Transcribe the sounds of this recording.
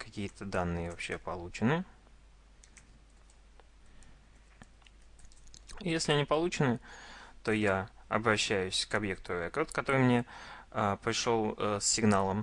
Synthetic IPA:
kɐkʲijət̪əd̪anːɨjəvɐpɕːe̞pɐlˠut͡ɕɪnɨ | jesʲlʲɪɐnʲipɐlˠut͡ɕɪnɨt̪o̞jaɐ̰bɾɐɕːæjʉsʲkɐbje̞k̚t̪ʊɐvɛkot̪kɐt̪o̞ɾɨjmnʲe̞əpɾʲɪʂo̞lˠsʲːɪɡnalˠəm

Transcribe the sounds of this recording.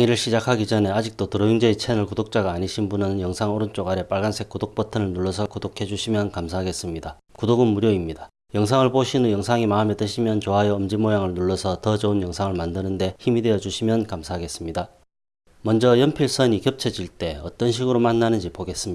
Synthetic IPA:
ŋiɾɯɭɕʰid͡ʑakʰaɡid͡ʑʌne̞ad͡ʑik̚t͈otɯɾʌjuŋd͡ʑeet͡ɕʰenɯɭkudok̚t͡ɕ͈aɡaːɲiɕʰinbunɯnjʌŋsʰaŋoɾɯnt͡ɕ͈oɡaɾe̞p͈aɭɡansʰe̞k͈udok̚p͈ʌtʰɯɾɯɭnuɭːʌsʰʌkudokʰe̞d͡ʑuɕʰimjʌnkamsʰaɦaɡe̞s͈ɯmɲida | kudoɡɯnmuɾjoimɲida | jʌŋsʰaŋɯɭpoɕʰinojʌŋsʰaŋimaɯme̞tɯɕʰimjʌnt͡ɕoɦajʌːmd͡ʑimojaŋɯɭnuɭːʌsʰʌtʌd͡ʑʌunjʌŋsʰaŋɯɭmandɯnɯnde̞çimidwe̞jʌd͡ʑuɕʰimjʌnkamsʰaɦaɡe̞s͈ɯmɲida | mʌnd͡ʑʌjʌmpʰiɭs͈ʰʌɲikjʌp̚t͡ɕʰʌd͡ʑiɭt͈e̞ʌt͈ʌnɕʰiɡɯɾomanːanɯnd͡ʑipoɡe̞s͈ɯm

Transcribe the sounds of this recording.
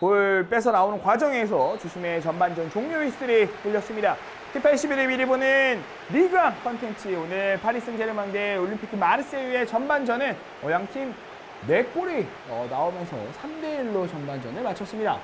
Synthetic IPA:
poɭp͈e̞sʰʌnaonɯnkwad͡ʑʌŋe̞sʰʌt͡ɕuɕʰime̞t͡ɕʌmband͡ʑʌnt͡ɕoŋmoɥist͈ɯɾik͈uʎːʌs͈ɯmɲida | tʰipʰaɭɕʰibiɾebiɾibonɯn | ɾiɡakʰʌntʰe̞nt͡ɕʰionɯɭpʰaɾis͈ɯŋd͡ʑʰeɾɯmandeoɭːimpʰi̥kʰɯmaɾɯs͈eɥiɦe̞t͡ɕʌnband͡ʑʌnɯ | ʌjaŋɕʰim | me̞k͈oɾi | ʌnaomjʌnsʰʌ̰sʰamdeiɭːot͡ɕʌnband͡ʑʌnɯɭmat͡ɕʰʌs͈ɯmɲida

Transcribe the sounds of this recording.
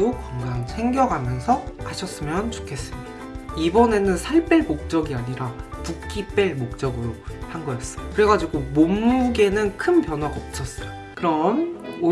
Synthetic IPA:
okwʌŋɡaŋsʰe̞ŋɡjʌɡʱamjʌnsʰʌaɕʰʌs͈ɯmjʌnt͡ɕo̥kʰe̞s͈ɯmɲidḁaibʌne̞nɯnsʰaɭp͈eɭmok̚t͡ɕ͈ʌɡiaɲiɾapukk͈ip͈eɭmok̚t͡ɕ͈ʌɡɯɾohanɡʌjʌs͈ʌjkɯɾe̞ɡad͡ʑiɡomomːuɡe̞nɯnkʰɯnpjʌnɦwaɡaʌp̚t͡ɕ͈ʰʌs͈ʌjo | kɯɾʌno

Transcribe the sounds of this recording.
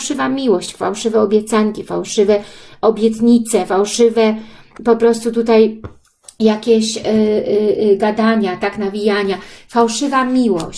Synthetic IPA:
ʂɘvamʲiwɔɕt͡ɕfa̰wʂɘvɛɔbʲjɛt̪saŋkʲifawʂɘvɛɔbʲjɛt̪ɲit̪sɛfawʂɘvɛ | pɔpɾɔst̪ut̪ut̪aj | jakʲeɕ | ɡad̪aɲat̪aknavʲijaɲafawʂɘvamʲiwɔ

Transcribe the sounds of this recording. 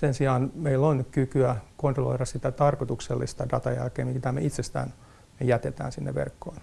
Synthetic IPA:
sensiɑːnmeilːonkykyækont̪rolo̰iɾɑssit̪æt̪ɑrkot̪ukselːḭst̪ɑdɑt̪ɑjæ̰lkeːmmit̪æmḛit̪sest̪æ̰ːn | mejæt̪et̪æ̰ːnsinːḛʋʋḛrkːo̰in

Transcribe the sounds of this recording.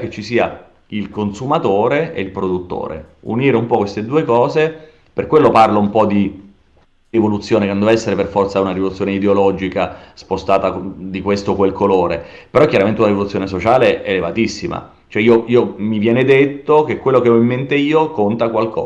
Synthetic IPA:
ket͡ʃːisiːa | ilkonsumat̪oːɾeḛilpɾod̪ut̪ːo̰ːɾḛṵniːɾeumpɔkwest̪ed̪uːekɔːze | pḛrkwelːoparloumpɔd̪i | evolut̪sːjoːneknd̪ovaɛsːeɾeperfɔrt̪saunaɾivolut̪sːjoːneid̪eolɔd͡ʒikaspost̪aːt̪ad̪ikwest̪okwelkʰoloːɾḛpeɾɔkːjaɾament̪eunɾivolut̪sːjoːnesot͡ʃaːleelevat̪isːima̰ | t͡ʃoɛiːoiːomivjɛːned̪et̪ːok̟ekːwelːokeɔimːent̪eiːokont̪akwalkʰɔ̰ː

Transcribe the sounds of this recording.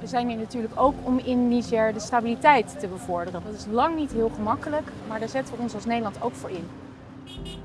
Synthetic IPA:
ʋəzɛjninatyːɹləkowkɔmɪnːisɛɹdəstabilitɛjtːəbəvʊɹdərəndɑtɪslɑŋnitɦɪːlˠχəmɑkələkmaːɹdaːɹzɛtɔlɔnsɑlˠsnejdəlɑntowkfʊːɹɪn

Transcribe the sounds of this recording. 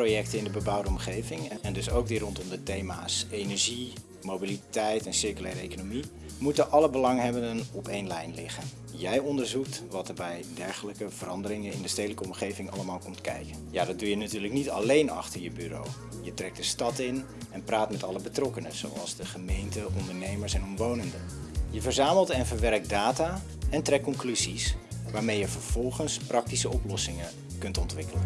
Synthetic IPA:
rojɛk̚təɪndəbəbɑwdəɔmχejvɪŋɛndɵsowk̚dirɔntɔmdətejmaːsejnɛɹʒi | mowbilitɛjtɛnsɪɹkylɛːɾəḛjkonomi | mutəʔɑləbəlɑŋɦɛbəndənɔpejnlɛjnlɪχən | jɛjɔndəɹzuk̚tʋɑtəbɛjdɛɹχələkəv̥ərɑndəɾɪŋənɪndəstejdələkəɔmχejvɪŋɑləmaːlˠkɔmtkɛ̰jkənjaːdɑd̚dujənatyːɹləknitɑlejnɑ̰χtəɹjəbyro̰w | jətrɛk̚dəstɑtɪn | ɛnpraːtmɛtɑləbətrɔkənəz̥o̰wɑ̰lˠzdəχəmejntəʔɔndəɹnejməɹsɛnɔmʋownəndəjəvəɹzaːməlˠtɛnvəɹʋɛrk̚daːtaː | ɛntrɛkkːɔŋklyzisʋaːɹmejəvəɹv̥ɔlˠχənsprɑk̚tisəɔplɔsɪŋə | kɵntɔntʋɪkələn

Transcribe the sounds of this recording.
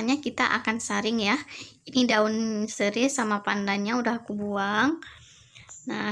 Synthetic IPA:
aɲakit̪aʔa̰kansaɾɪŋjainidaʊnsəɾɪsamapandanɲaudahakubuaŋ | na

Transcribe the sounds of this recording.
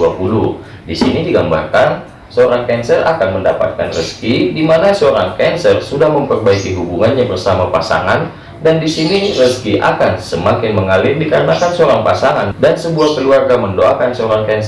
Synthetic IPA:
uapulu | disinidiɡamba̰rkan | səoɾaŋkɛnsəra̰kanməndapa̰t̪̚kanrəskidimanasəoɾaŋkɛnsərsudahməmpərbaikiɦubuŋanɲabərsamapa̰sa̰ŋan | dandisinirəskiʔa̰kansəmakɪnməŋalɪrdikaɾənakansəoɾaŋpasaŋandansəbuahkəluarɡaməndoakansəoɾaŋkɛns

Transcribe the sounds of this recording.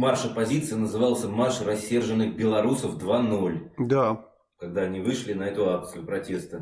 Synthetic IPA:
marʂɐpɐzʲit̪sɨjənəzɨvɑlˠsʲəmarʂrɐsʲːe̞rʐɨnːɨxbʲɪlˠɐɾusəfd̪vano̞lʲd̪a | kɐɡ̚d̪aɐnʲivɨʂlʲɪnɐɛt̪ʊak̚t̪sɨjʊpɾɐtʲe̞st̪ə

